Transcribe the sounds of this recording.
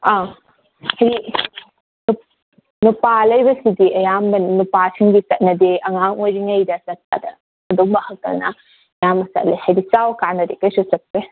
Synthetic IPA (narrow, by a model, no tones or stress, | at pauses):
a | hɐji | nu | nupalɐjbɐsidiɐjambɐnupasiŋɡisɐt̚nɐdeʔɐŋaŋojɾiŋɐjdɐsɐt̚ːa̰dɐ̰ | ɐdumɐhɐkɐ̰lna̰ | ɐjamɐsɐ̰tlḛhɐjdit͡ʃawkanɐdekɐjsusɐpːe